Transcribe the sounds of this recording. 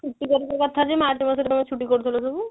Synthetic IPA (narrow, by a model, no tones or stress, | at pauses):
uʈːikɔɾikɔkɔt̪ʰad͡ʑemaɾʈimaseɾet̪omet͡ɕʰuʈikoɾt̪ʰilosobu